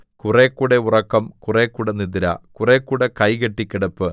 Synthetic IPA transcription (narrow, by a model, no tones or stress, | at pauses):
kureːkːuːɽeurɐkːɐmkureːkːuːɽɐniðiɾɐ̰kureːkːuːɽekɐjkeʈːikʲːiɽɐpːɨ